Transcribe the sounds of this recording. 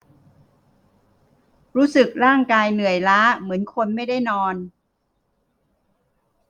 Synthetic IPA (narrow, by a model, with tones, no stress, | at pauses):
ɾuː˦˥sɯ˨˩k̚ɾaː˥˩ŋkaː˧jnɯ˨˩əjlaː˦˥mɯ˩˦ənkʰo˧nma˥˩jda˥˩jnɔː˧n